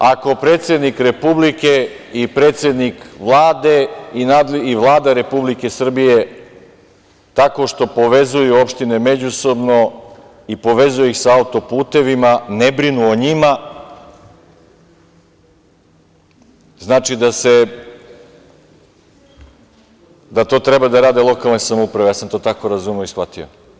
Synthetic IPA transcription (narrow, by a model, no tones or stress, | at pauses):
ako̞pɾe̞ːt̪sje̞d̪nikɾe̞publike̞ | ipɾe̞ːt̪sʲjed̪nikʋlˠaːd̪e̞inaːd̪liʋlˠaːd̪aɾe̞publike̞sr̩bije̞ | t̪ako̞ʃt̪o̞po̞ʋe̞zujuopʃt̪ine̞me̞d͡ʑuso̞bno̞ | ipo̞ʋe̞zujeixsaaut̪o̞puːt̪e̞ʋimanebɾinuoɲima | znaːt͡ʃid̪ase̞ | d̪at̪o̞ːt̪ɾebad̪aɾaːd̪elˠo̞kalˠne̞samoupɾaʋe̞jaːsamt̪o̞ːt̪ako̞ɾazumeoisʋat̪io̰